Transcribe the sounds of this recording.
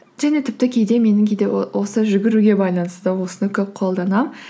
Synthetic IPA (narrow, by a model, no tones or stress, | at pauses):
ʒæne̞t̪ʰɪp̚t̪ɪkʲʰe̞jd̪e̞me̞nɪŋkʲʰed̪e̞wo̞səʒʏɡʲɪɾuɡʲe̞bɑjlˠɑnəst̪əwo̞sənəkʲʰɵp̚qʰo̞lˠd̪ɑnɑm